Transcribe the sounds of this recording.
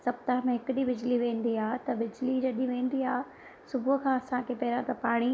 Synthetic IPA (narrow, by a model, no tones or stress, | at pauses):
sɐb̚t̪aɦmẽɦɪkʊɗibɪd͡ʑliʋẽːnd̪iaːɦt̪ɐbɪd͡ʑlid͡ʑɐɗĩʋẽːnd̪iaːɦ | sʊbʱʊkʰãːɐsãkʰepɐɦɪɾãt̪ɐpaːɽ̃i